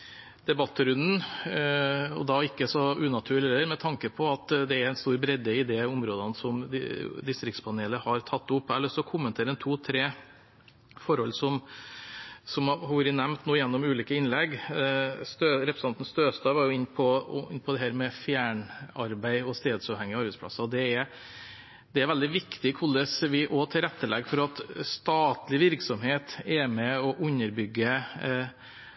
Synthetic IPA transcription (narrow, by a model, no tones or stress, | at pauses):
d̪̥ɛbɑt̪ːɾʉnd̪n̩ | ɔ̰d̪ɑɪkːəsɔʉːnɑt̪ʰʉːɭɪɛlːəɾmɛt̪ʰɑŋkəpʰɔɑt̪d̪ɛæɾæɪnst̪uːɾbɾɛd̪eɪd̪ɛʊmɾoːd̪ɑnsɔmd̪ɪst̪ɾɪkt̪spʰɑneːləhɑɾt̪ʰɑt̪ːʊpːæɭəsɔkʰʊmːənt̪ʰeːɾəɛnt̪ʰuːt̪ʰɾeː | fɔɾhɔlːsɔm | sɔmhɔʋɾɪnɛmnt̪noːjɛnːɔmʉːliːkəɪnlɛɡ | st̪øːɾɛpɾəsɑnt̪n̩st̪øːst̪ɑʋɑːɾjʊɪnpʰɔɪ̰nːpʰɔd̪ɛɦæːɾmɛfjæːɳɑɾbæɪɔst̪eːd̪sɑʋhɛŋːɪɑɾbæɪspʰlɑ̰sɑɔd̪ɛɛɾ | d̪̥ɛæɾʋɛld̪ɪʋɪkt̪ɪkʰɔlːəsʋɪʔot̪ʰɪlɾɛt̪ːəlɛ̰ɡfɔɾɑt̪st̪ɑːt̪lɪʋɪɾksɔmheːt̪ɛmɛɔʔʉɲːəɾbʏɡːə